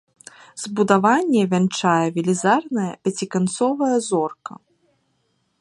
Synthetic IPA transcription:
z̥bud̪avanʲːɛvʲɛnt͡ʂajɐvʲilʲizarnɐjɐpʲat͡sʲikant̪sɔvɐjɐzɔrkɐ̰

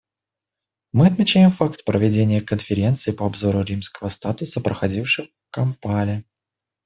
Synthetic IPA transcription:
mɨɐt̪mʲɪt͡ɕæjɪmfakt̪̚pɾʔəvʲɪdʲenʲɪjəkənfʲɪɾʲe̞nt̪sɨːpəɐbzo̞ɾʊɾʲimskəvəst̪at̪ʊsəpɾʔəxɐdʲifʂɨx | kɐmpalʲɪ

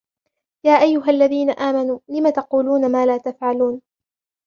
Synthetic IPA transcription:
jaːʔajːʊɦaʔalːaðiːnaʔaːmanuːlɪmat̪ɑquːluːnamaːlaːt̪afʕaluːn

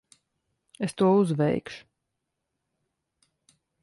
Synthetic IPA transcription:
est̪uɔuzvɛjkʃu̥

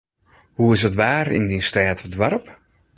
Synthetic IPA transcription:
huɪsətʋaːrɪ̰ndinstaːtədʋarp

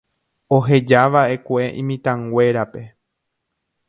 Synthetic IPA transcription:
o̞ɦe̞d͡ʒaʋae̞kʷe̞ʔĩmĩt̪ãŋɡʷe̞ɾape̞

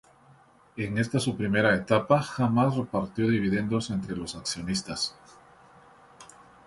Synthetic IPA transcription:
e̞ŋe̞st̪asupɾime̞ɾaet̪apaxamasre̞paɾt̪jo̞ðiβ̞iðe̞nd̪o̞se̞nt̪ɾe̞lo̞saksjo̞nist̪as

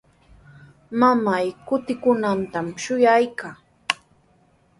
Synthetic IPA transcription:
mamajkʊt̪ɪkʊnant̪amʃʊjajkaː

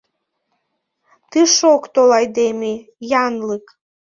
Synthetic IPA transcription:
t̪ɨʃokt̪olɑjd̪emejɑnlək

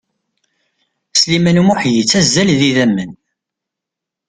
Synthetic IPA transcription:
slimænumʊħjit͡sːæzːælðiðæmːən

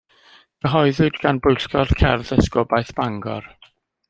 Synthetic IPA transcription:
ɡ̥əɦɔɨðʊdɡanbʊjɬkɔð̥kʰɛrðəskɔbajθb̥aŋɡɔ̰r

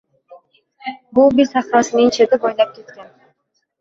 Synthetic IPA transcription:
bulˠbizɑχɾɒsnint͡ʃed̪ɪbojlˠɑp̚ket̪kʲan

